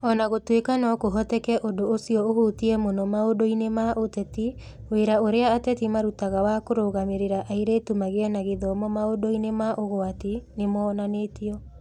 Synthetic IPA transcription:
ɔnaɣotwekanɔkoɦɔtɛkɛʔondoːsiɔoɣutiɛmonɔmaodoinemaʔotɛti | weɾaoɾeaːtɛtimaɾutaɣawakoɾoɣameɾeɾaʔaiɾetumaɣeɛnaɣeðɔmɔmaodoinemaʔoɣoatenemɔːnanetiɔ

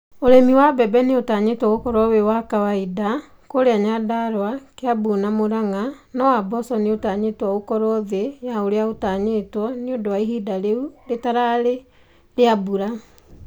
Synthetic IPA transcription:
oɾemiwabɛbɛneotaɲetwɔokɔɾwɔwewakawaida | koɾeaɲadaɾowakeabunamoɾaŋanɔwabɔsɔneotaɲetwɔokɔɾɔðejaoɾeaotaɲetwɔneodowaiɦidaɾeuɾetaɾaɾe | ɾeabuɾa

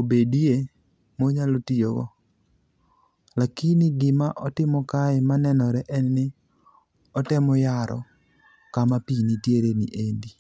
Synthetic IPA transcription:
obedie | moɲalotioɡɔ̰ | lakinɪɡɪmaʔɔtɪmɔkaɪmanɛnɔɾɛʔɛnnɪ | ɔtɛmɔjaɾɔ̰ | kamapinitjeɾenḭʔendi

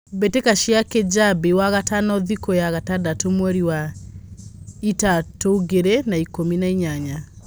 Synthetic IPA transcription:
betekaʃiaked͡ʑabewaɣatanɔðikojaɣatadatomwɛɾiwa | itatoɣeɾenaikominaiɲaɲa

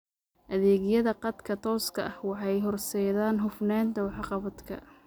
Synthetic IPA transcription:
ʔɐðɛːɣjɐðɐqɑd̪kʰɐt̪ʰɔːskʰɐʔɐhwɑħɑjɦɔrsɛjðaːnɦʊfnaːnt̪ʰɐwħɑqɑβɐd̪kʰɐ̰

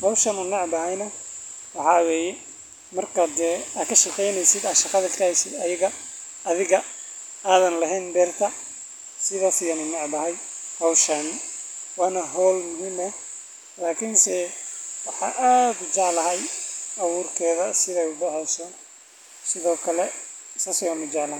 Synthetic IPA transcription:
hɔwʃɐnʊnɑʕbɐɦɐjnɐ | wɑħɑːwɛːjɛ | mɐrkʰaːɛːaːkʰɐʃɑqɛjnɛjsɪd̪ɐːʃɑqɑðɐlkʰɐhɛjsɪd̪ɐjɐɣɐː | ðɪɣɐ | aːðɐnlɐɦɛːnbɛrt̪ʰɐ | sɪðɐːfɪjɐnʊnɑʕbɐɦɐjhɔwʃɐnwaːnɐɦɔːlmʊɦiːmɐ | laːkʰɪnsɛwɑħɑ̰ːʔaːd̪ʊt͡ʃɑʕlɐɦɐjʔɐwuːrkʰɛːðɐsɪðɛjʊɖɛħɛjsɔn | sɪðɔːkʰɐlɛsɐsɛɐnʊd͡ʒɑʕlɐ

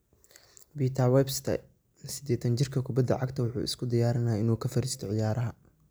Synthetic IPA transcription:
biːt̪ʰɐwɛbst̪ʰɐ̰ | sɪd̪ɛːt̪ʰɐnt͡ʃɪrkʰɐkʰʊbɐd̪ːɐ̰ʕɑɡt̪ʰɐwʊħṵːʔɪ̰skʰʊd̪ɪjaːɾɐnaːɪnuːkʰɐfɐɾiːst̪ʰɔʕɪjaːɾɐɦɐ

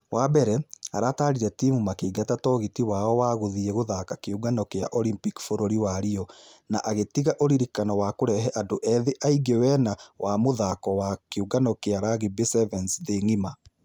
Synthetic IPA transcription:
waːbɛɾɛaɾataːɾiɾɛtimumakeːɡatatɔɣitiwaːɔwaːɣoðiɛɣoðakakeuɡanɔkea̰ʔɔlimpikfoɾoɾiwaɾiɔnaʔaɣetiɣaʔoɾiɾikanɔwaːkoɾɛɦɛʔadoʔɛðeʔaiɡewɛnawʔamoðakɔwakeuɡanɔkeaɾaɣibesɛvɛnsðeŋima

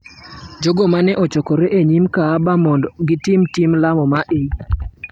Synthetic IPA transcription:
d͡ʒoɡomanɛʔɔt͡ʃɔkɔɾeʔeɲimkaːbamɔndɔɡɪtimtimlamɔmaʔei

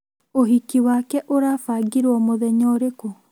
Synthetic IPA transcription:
oɦikiwakɛʔoɾaːfaːɡiɾɔmoðɛɲɔɾeko

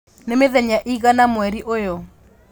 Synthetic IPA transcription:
nemeðɛɲaʔiɣanamwɛɾiʔojɔ

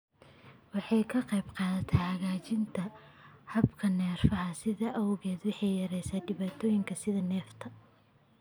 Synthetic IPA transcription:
wɑħɑjkʰɐqɑjbqɑːðɐt̪ʰɛhɐɣaːt͡ʃɪnt̪ʰɐ | hɐbkʰɐnɛːrfɐɦɐsɪðɐʔɐwɣɛːd̪wɑħɑjjɐɾɛjsaːɖɪβaːt̪ʰɔːjɪŋkʰɐsɪðɐnɛːft̪ʰɐ

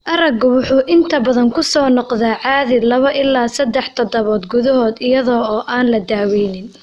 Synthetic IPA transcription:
ʔɐɾɐɡwʊħuːʔɪnt̪ʰɐbɐðɐŋkʰʊsɔːnɔqðaːʕɑːðɪlɐβɐʔɪlːaːsɐd̪ːɛħt̪ʰɐd̪ɐβɔːd̪ɡʊðɐɦɔːd̪ɪjɐðɔːɔːʔaːnlɐd̪aːwɛjnɪn

